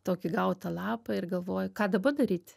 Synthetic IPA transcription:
t̪oːkʲɪɡɐʊt̪ɐlˠɑːpɐɪrɡɐlˠʋoːjʊkɑːd̪ɐbɐd̪ɐɾʲiːt̪ʲ

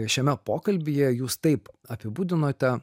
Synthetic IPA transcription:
ʃʲɛmʲɛpoːkɐlʲbʲijɛjuːst̪ɐɪp | ɐpʲɪbuːd̪ʲɪnoːt̪ʲɛ

